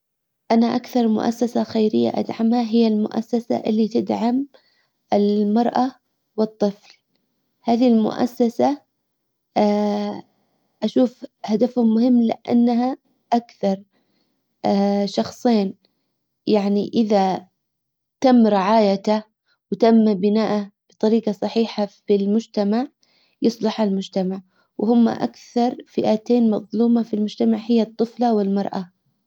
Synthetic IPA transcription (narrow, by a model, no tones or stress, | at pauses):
ʔanaʔakθɑɾˤmʊ̰ʔa̰sːasaxajɾɪjːa̰ʔa̰d̪ʕamhaɦɪjːalmʊ̰ʔa̰sːasa̰ʔɪlːit̪ɪd̪ʕam | ʔɪlmɑɾˤʔa | wɨt̪ˤːɨfl | haːðilmʊ̰ʔa̰sːasa | ʔaʃuːfhad̪afamʊhɪmːlɪ̰ʔa̰nːɦa | ʔakθɑɾˤ | ʔːʃɑxsˤeːn | jaʕniʔɪða | t̪amːɾɪʕaːjat̪a | wɪt̪amːbɪnaːʔab̥ɨt̪ˤɑɾiːɡɑsˤɑħiːħafɪlmʊd͡ʒt̪amaʕ | jʊsˤlɑħalmʊd͡ʒt̪amaʕ | whʊmːa̰ʔa̰kθɑɾˤfɪʔat̪eːnmɑðˤluːmafilmʊd͡ʒt̪amaʕhɪjːat̪ˤːɨflawɪlmɑɾˤʔa